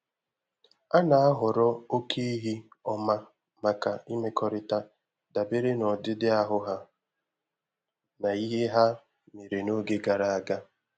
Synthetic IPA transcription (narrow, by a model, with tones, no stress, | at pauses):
a˦na˨a˦ɦʊ˨ɾɔ˦o˦kʰe˦i˦ɦi˦ɔ˦ma˦ | ma˨ka˨i˦me˦kʰɔ˦ɾɪ˦ta˦ | da˨be˦ɾe˦nɔ˨dɪ˦dɪ˦a˦ɦʊ˦ɦa˦ | na˨i˦ɦe˦ɦa˦ | me˨ɾe˨no˦ɡe˦ɡa˨ɾa˨a˦ɡa˦